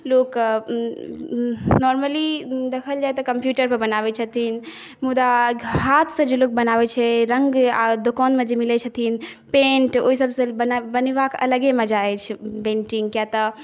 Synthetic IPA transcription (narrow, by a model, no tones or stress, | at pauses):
lok | nɔɾməlid̪ekʰəld͡ʒajt̪ɔkəmpjuʈəɾpəɾbənabɛt͡ʃʰət̪ʰin | mud̪aɦat̪ʰsə̃d͡ʒelok̚bənabɛt͡ʃʰɛɾəŋɡa̰d̪okɔnmẽd͡ʒemilɛt͡ʃʰət̪ʰin | pẽɳʈoɦisəbsẽbənbənebakə̰ləɡemed͡ʒaɛt͡ʃʰpẽɳʈiŋɡkjat̪ə